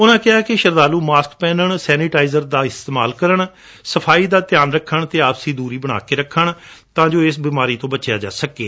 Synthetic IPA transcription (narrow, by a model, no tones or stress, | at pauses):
ʊnãːkɪɦaːkɪʃəɾd̪aːluːmaːskpɛːnəɳsɛːnɪʈaːizəɾd̪aːɪst̪eːmaːlkəɾəɳ | səpʰaːiːd̪aːt̪ɪjaːnɾəkʰːəɳt̪eːaːbsiːd̪uːɾiːbəɽ̃a̰ːkeːɾəkʰːəɳt̪ãːd͡ʒoːɪsbɪːmaːɾiːt̪õːbət͡ʃjaːd͡ʒa̰ːsəkːḛː